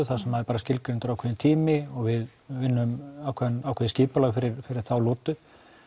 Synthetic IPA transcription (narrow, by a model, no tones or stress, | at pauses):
ʏθasɛmaðɪpaːɾascɪlkɾɪnt̪ʏɾawkʰɛːɪnt̪ʰiːmɪɔɣvɪð | vɪnːʏmawkʰvɛðnawkʰɛːðɪsciːpalaɣfɪɾɪɾfɪɾɪɾ̥θawlɔːt̪ʏ